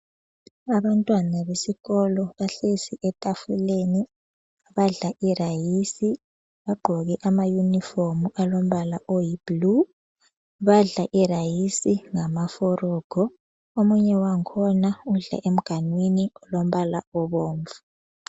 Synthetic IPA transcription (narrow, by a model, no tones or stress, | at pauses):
aβantʼwanaβesiɣɔlɔβaɬisiʔɛtʼafuleːni | βaɮaʔirajisi | βaɡ͡ǃʱɔɣɛʔamajunifomuʔalom̩βalaʔojib̥lu | βaɮaʔirajisiŋamafɔrɔːɡ̥ʱɔ | omuɲɛwaŋkʰɔnauɮa̰ʔem̩ɡ̥ʱanwiniɔlom̩βalaɔβoːɱvu